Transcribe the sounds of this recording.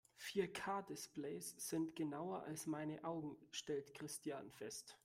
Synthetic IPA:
fiːɐkʰaːdɪsplɛɪsz̥ɪntɡ̥ənaʊɐʔa̰lsmaɪnəʔaʊɡŋ̩ʃtɛltkʁ̥ɪstʰjanfɛst

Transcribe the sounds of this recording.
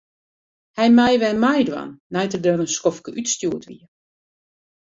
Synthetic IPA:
hɛjmɛjʋɛmajdwa̰nːɛjtərdørənskɔfkəʔytstjuətʋḭə

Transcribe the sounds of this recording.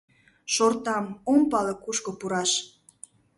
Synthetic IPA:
ʃort̪ɑmompɑlɤkuʃkopuɾɑʃ

